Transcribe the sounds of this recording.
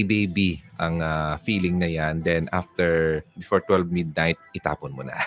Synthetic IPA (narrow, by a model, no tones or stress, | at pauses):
bejbiʔɐŋafiːlɪŋnɐjand̪ɛnʔa̰ft̪ɛɹbɪfoɹt̪wɛlvmid̪̚najt̪̚ʔɪt̪a̰ːponmʊnɐ̰